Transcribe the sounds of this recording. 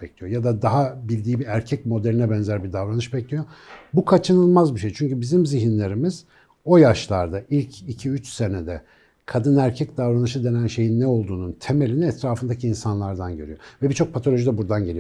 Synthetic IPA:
ɛclʲijojad̪ad̪aɦabilʲd̪iːbiæɾcʰɛc̚mo̞d̪elʲinɛbɛnzæɾbid̪avɾanɯʃbɛclʲijobukʰat͡ʃʰɯnɯlˠmazbiʃe̞jt͡ʃʰyɲcybizimziɦinlʲe̞ɾimiz̥ | o̞jaʃlˠaɾd̪ailʲcʰicʰiyt͡ʃse̞ned̪ɛ | kʰad̪ɯnæɾcʰɛc̚d̪avɾanɯʃɯd̪e̞nænʃe̞jinːɛo̞lˠd̪uːnunt̪ʰe̞me̞lʲiniɛt̪ʰɾaːfɯnd̪aciːnsanlˠaɾd̪anɟøɾyjo̞vɛbit͡ʃʰo̞k̚pʰat̪ʰolʲo̞ʒid̪ɛbuɾd̪anɟe̞lʲi

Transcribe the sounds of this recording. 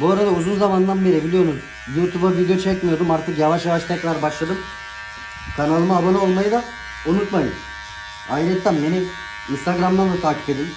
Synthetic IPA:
buaɾad̪auzunzamand̪anve̞ɾebilʲijo̞ɾum | jut̪ʰubabiɟet͡ʃʰɛt̪̚mijod̪umaɾt̪ʰɯkjavaʃjavaʃt̪ʰɛkɾaɾbaʃlˠad̪ɯm | kʰanalˠɯmaabanɯo̞lˠmajɯd̪a | unut̪majɯ̰m | aiɾɛt̪ʰːæmbeni | inst̪ʰaɡɾamd̪and̪at̪ʰaːcʰi̥pe̞d̪im

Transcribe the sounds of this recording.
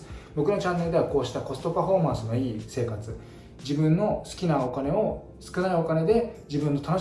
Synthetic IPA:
bo̞kɯ̟no̞t͡ɕãnːe̞ɾɯ̟d̪e̞βako̞ːɕi̥t̪ako̞sɨ̥t̪o̞paɸo̞ːmãɰ̃sɨno̞iːse̞ːkat͡sɨ | d͡ʑibɯ̟̃nːo̞sɨ̥kʲinao̞kane̞o̞ | sɨ̥kɯ̟naio̞kane̞d̪e̞d͡ʑibɯ̃nːo̞t̪ano̞

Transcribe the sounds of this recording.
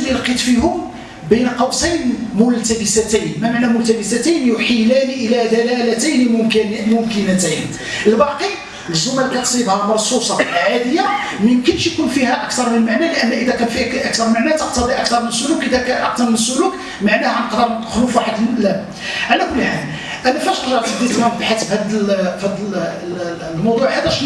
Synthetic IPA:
lːilqit̪ˤfihʊm | bæjnqɑwsæjnmʊlt̪æbəsæt̪æjnmæmaʕnæmʊlt̪æbəsæt̪æjnjʊħilæniʔəlæd̪ælælæt̪æjnmʊmknmʊmkənæt̪æjn | ʔəlbɑqi | ləzumːælkæjt̪sˤibhɑmɑɾˤsˤusˤɑʕad̪əjːa | məmkənʃjkunfihæʔək̚t̪ɑɾˤmənəlmaʕnæləʔənːʔəd̪ækænfiʔæk̚t̪ɑɾˤmaʕnæt̪əq̚t̪ɑd̪ˤiʔæk̚t̪ɑɾˤmənəsːʊlukʔəd̪ækæʔəq̚t̪ɑɾˤmənəsːʊluk | maʕnæhænəqd̪ɑɾxlufwaħəd̪læ | ʕalækʊlːħan | ʔænæfæʃt̪əʒɑʕt̪ɑd̪ːit̪næbħasəbhæd̪əlhæd̪ | lmɑwd̪ˤuʕhæd̪æʃ

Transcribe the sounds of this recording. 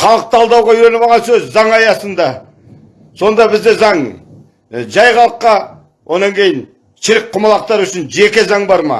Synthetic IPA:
χɑlˠəq̚t̪ʰɑlˠd̪ɑwʁɑiɾe̞nɪmɑʁɑnsɵzzɑɴɑjɑsənd̪ɑ | so̞nd̪ɑbɪzd̪e̞zɑŋ | ʒɑjχɑlˠəqːɑ | wʔo̞nɑŋkʲʰe̞jɪn | ʃɪɾɪk̚qʰʊmɑlˠɑq̚t̪ɑɾʏʃɪnʒe̞kʲezɑɴbɑɾmɑ̰

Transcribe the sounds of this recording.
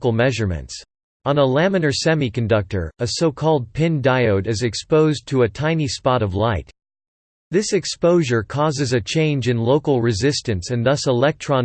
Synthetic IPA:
kl̩ˠmɛʒə˞mɨ̰̃nts | ə̃nəlæ̃mɨ̃nə˞sɛmikɨ̃ndʌk̚tə̰˞ɨsoʊkʰɔlˠd̚pʰɪ̃ndaɪoʊɾɨzɨkspoʊztʰəɨtʰãɪ̃nispɑɾʌvlaɪt̪ | ðɪsɨkspoʊʒə˞kʰɔzɨzɨt͡ʃʰẽɪ̃nd͡ʒɨ̃nloʊkl̩ˠɹɨzɪstɨ̃nsɨ̃nðʌsəlɛk̚tʰɹ̥ɑ̃n

